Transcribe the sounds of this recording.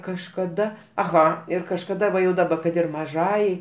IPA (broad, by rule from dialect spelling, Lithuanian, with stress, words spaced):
kɐʃkɐˈdɐ ɐˈɣɐ ɪr kɐʃkɐˈdɐ ʋɐ jɛʊ dɐˈbɐ kɐt ɪr mɐˈʒɑːjɛɪ